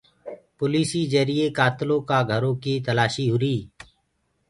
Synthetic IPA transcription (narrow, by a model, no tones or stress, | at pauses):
pʊliːsiːd͡ʒəɾiːeːkaːt̪lõːkaːɡʱəɾõːkiːt̪əlaːʃiːɦʊɾiː